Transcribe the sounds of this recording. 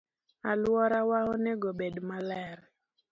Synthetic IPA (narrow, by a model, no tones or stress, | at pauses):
alwɔɾawaɔnɛɡɔbedmalɛɾ